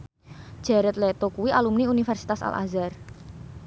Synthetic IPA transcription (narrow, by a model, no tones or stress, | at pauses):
ʒ̥ɛɾɛt̪̚let̪okuwiʔalumniunifɛrsi̥t̪asa̰lʔa̰zar